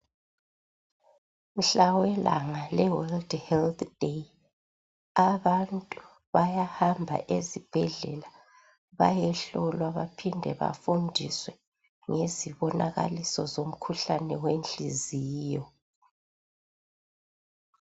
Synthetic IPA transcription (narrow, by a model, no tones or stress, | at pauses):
m̩ɬawɛlʔa̰ŋalɛwɔldhɛlt̪d̥ej | aβantʼu | βajahambʱa̰ʔezib̥ʱɛɮɛ̰la | βa̰jɛɬɔlwaβapʰindʱɛβa̰fundʱiswɛ | ŋeziβɔnʔaɣa̰lisɔzom̩kʰuɬanɛwent͡ɬʼiziːjɔ